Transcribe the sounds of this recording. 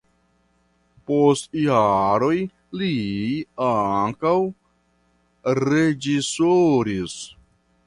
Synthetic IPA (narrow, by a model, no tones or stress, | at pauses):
postjaɾo̞j | liaŋkaw | ɾed͡ʒisoɾis